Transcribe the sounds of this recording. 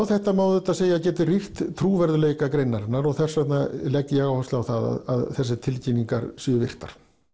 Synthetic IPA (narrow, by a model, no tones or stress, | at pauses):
awθɛht̪amaːwðʏt̪aðseːjaðcɛːt̪ɪriht̪t̪ʰɾuːvɛɾðʏleːjkakɾejnːaɾɪnːaɾɔɣθɛr̥sɛt̪nalɛkːɪɛɣawhast̪awθaða̰ða̰ðθɛs̬ːɪt̪ʰɪlcinːiŋkaɾsʏʏvɪr̥t̪aɾ̥